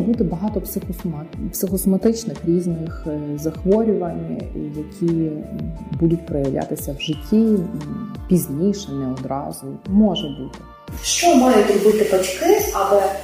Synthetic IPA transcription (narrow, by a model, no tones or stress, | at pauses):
but̪ɪbɐɦɑt̪ɔpsɪxɔmɑpsɪxɔsɔmɐt̪ɪt͡ʃnɪxɾʲizʲnɪxzɐxʋɔɾʲʊʋɐnʲjɐkʲʰi | bud̪ʊt̚ʲpɾɔjɐʋlʲʔa̰t̪ɪsʲɐwʒɪtʲːi | pʲizʲnʲijʃɛnɛɔd̪ɾɑ̰zʊmɔʒɛbut̪ɪ̥ | ʃt͡ʃɔmɑjʊtʲrbɪt̪ɪpɐt͡ʃkɪɐlɛ